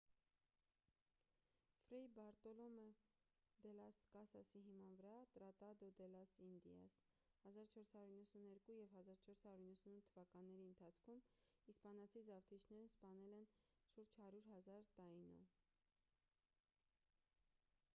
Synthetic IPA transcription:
fɾɛjbɑɾt̪ɔlɔmə | d̪ɛlɑskɑsɑsiɦimɑnvəɾɑt̪ɾɑt̪ɑd̪ɔd̪ɛlɑsind̪ḭɑ̰s | hɑzɑɾt͡ʃʰɔɾshɑɾuɾinːəsunɛɾkujɛvhɑzɑɾt͡ʃʰɔɾshɑɾjuɾinːəsununt̪ʰəvɑkɑnːɛɾiənt̪ʰɑt͡sʰkʰum | ispɑnɑt͡sʰizɑvt̪ʰit͡ʃʰnɛɾnspɑnɛlɛnʃuɾd͡ʒhɑɾuɾɦɑzɑɾt̪ɑinɔ̰

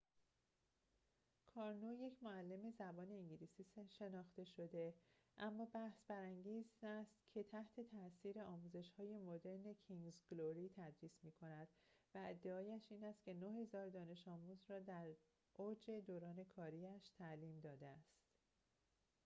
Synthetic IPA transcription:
kʰɒːɾnuje̞cʰmoælːe̞me̞zæbɒːne̞iɲɟiliːsiːʃe̞nɒːxt̪e̞ʃo̞d̪e̞ | ʔæmːɒːbæhsbæɾæŋɟiːzæst̪cʰe̞t̪ʰæht̪ʰe̞t̪ʰæsiːɾe̞ɒːmuːze̞ʃhɒːje̞mo̞d̪e̞ɾne̞cʰiŋzɡloɾit̪ʰæd̪ɾiːsmiːkʰo̞næd̪̥væed̪ːe̞ɒːjæʃiːnæst̪̚cʰe̞nohezɒːɾd̪ɒːne̞ʃɒːmuːzɾɒːd̪æɾ | ʔod͡ʒe̞d̪oːɾɒːne̞kʰɒːɾiæʃt̪ʰæliːmd̪ɒːd̪eæst̪

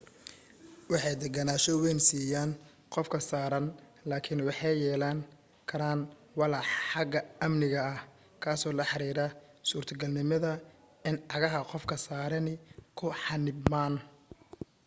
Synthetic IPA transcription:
wɑħɑjd̪ɛɡɐnaːʃɔwɛnsiːjaːn | qɔfkʰɐsaːɾɐn | laːkʰɪnwɑħɑjjɛːlaːŋ | kʰɐɾaːn | wɑlɑħħɑɡɐɐmnɪɣɐɐh | kʰaːsɔːlɐħɑɾiːɾɐ | suːrt̪ʰɐɡɐlnɪmɐðɐ | ɪnʕɑɣɐɦɐqɔfkʰɐsaːɾɐnɪkʰʊħɑnɪbmaːn

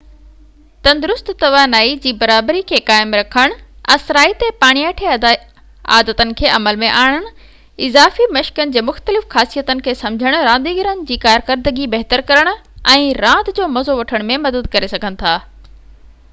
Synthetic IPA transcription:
t̪ɐ̃nd̪ʊɾʊst̪t̪ɐʋaːnaːid͡ʑiːbɐɾaːbɾikʰeːkaːɪmɾɐkʰəɽ̃ɐsɾaːit̪epaːɽ̃ijaːʈʰe | a̰ːd̪ət̪ənɪ̆kʰeːʔɐməlmẽʔaːɽ̃əɽ̃̆ | ɪzaːfimɐʃkənɪ̆d͡ʑeːmʊxt̪əlɪfxaːsijət̪ənɪ̆kʰeːsɐ̃md͡ʑʱəɽ̃ʊɾãːnd̪iːɡɪɾənɪ̆d͡ʑiːkaːɾkəɾd̪əɡibɐɦt̪əɾkɐɾəɽ̃ʊ̆ɛ̃ːɾãːd̪d͡ʑoːmɐzoʋɐʈʰəɽ̃mẽmɐd̪əd̪kɐɾesɐɡʱənɪ̆t̪ʰaː

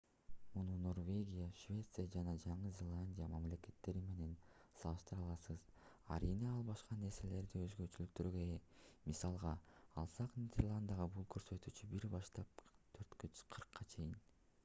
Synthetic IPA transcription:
mununo̞rvʲe̞ɡʲijaʃvʲe̞t̪sɨjad͡ʒɑnɑd͡ʒɑɴɯzʲe̞lˠanʲdʲijamamle̞ke̞t̪ːe̞ɾime̞ne̞n | sɑlˠɯʃt̪ɯɾɑlˠɑsɯz̥ | ɑ̰ɾineɑlˠβɑʃqɑnːe̞ɾse̞le̞ɾd̪iø̞zɡø̞t͡ʃylyk̚t̪øɾɡøemisɑlˠʁɑɑlˠsɑqnʲidʲerlˠand̪əɑʁɑbulˠkʰø̞ɾsø̞t̪yt͡ʃybiɾbɑʃt̪ɑp̚t̪ʰøɾt̪køqʰɯɾqʰːɑt͡ʃʰe̞jin

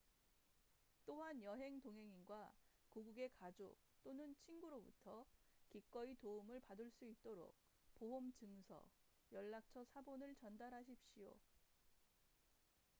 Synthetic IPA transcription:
t͈oɦanjʌɦe̞ŋtoŋɦe̞ŋinɡwakuɡuɡe̞kad͡ʑok̚t͈onɯnt͡ɕʰinɡuɾobutʰʌkik͈ʌitoumɯɭpadɯɭs͈uit̚t͈oɾo̰k̚ | poɦomt͡ɕɯŋsʰʌ̰ | jʌɭːak̚t͡ɕʰʌsʰabonɯɭt͡ɕʌndaɾɦaɕ̬ʰip̚ɕ͈ijo̰

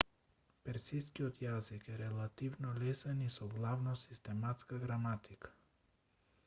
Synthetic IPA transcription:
pɛɾsiskiɔt̪jazikɛɾɛlˠat̪ivnɔlɛsɛnisɔɡlˠavnɔsi̥st̪ɛmat̪skaɡɾamat̪ikḁ

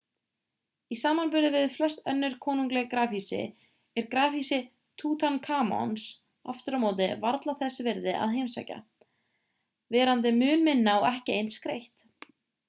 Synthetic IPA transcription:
isaːmanpʏɾðɪvɪðflɛst̪œnːʏɾ̥kʰɔːnuŋklɛɣakɾaːfisɪ̰ | ɛɾkɾaːfisɪ | t̪ʰuːt̪ʰankʰaːmɔ̰ns | a̰ft̪ʏɾamoːwt̪̬ɪvaɾt̪laθɛsːɪvɪɾðɪʔa̰ðɦejmsa̰ːjca̰ | vɛːɾant̪̬ɪmʏːnmɪnːawɛhcɪejnskɾejht̪

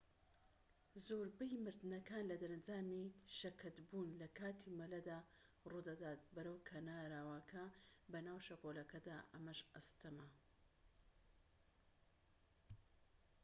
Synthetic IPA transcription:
zoːɾbɐjmɨɾd̪ɨnɐkaːnlɐd̪ɐɾɐnd͡ʒaːmiʃɐkʰɐt̪buːnlɐkʰaːt̪ʰiːmɐlɐd̪aː | rud̪ɐd̪aːt̪̚bɐɾɐwkʰɐnaːɾaːwakʰɐbɐnaːwʃɐkoːlɐkɐd̪aːʔɐmɐʃɐst̪ɐmɐ

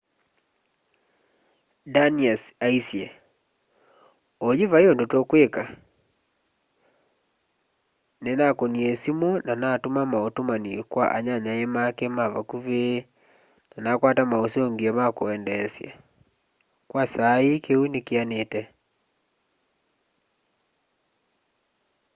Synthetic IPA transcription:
daniasaisje | oɲivajondotokweka | nenakoniɛsimɔnanatomamaotomanikwa̰ʔa̰ɲaɲaemakɛmaβakuβe | nanakwatamaosoŋɡiɛmakoɛndɛsja | kwasaikewinekeanetɛ

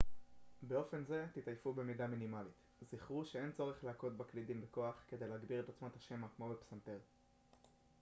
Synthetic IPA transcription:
be̞o̞fe̞nze̞t̪itajfube̞midaminimalit̪ | ziχʁuʃee̞nt͡so̞ʁeχleako̞t̪̚baklidimbeko̞aχke̞d̪ejleaɡbiʁe̞t̪o̞t͡smat̪haʃe̞makmo̞bepsant̪eʁ

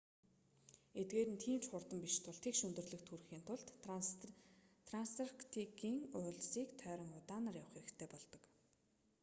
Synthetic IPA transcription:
et̪̚ɡeːɾɘ̆nt̪ʰiːmt͡ɕχʊrt̪ə̆mpiʃt̪ʰʊɮt̪ʰeikʃɵnt̪ɵ̆rɮɵ̆xt̪ʰurxiːnt̪ʰʊɮt̪ | t̪ʰranst̪arkt̪ʰikiːŋʊːɮsiːkt̪ʰœːɾʲɞ̆ŋʊt̪aːnaːrjawə̆χeɾɘ̆kt̪ʰeːpɔɮt̪ɞ̥̆k

